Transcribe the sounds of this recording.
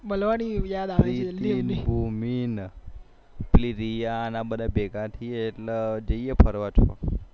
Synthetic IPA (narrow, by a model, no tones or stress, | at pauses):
bəlʋañijad̪aʋɾielinibʱumin | pliɾijanabəd̪abeɡat̪ʰieːʈləd͡ʒəjepʰəɾʋat͡ʃʰo̰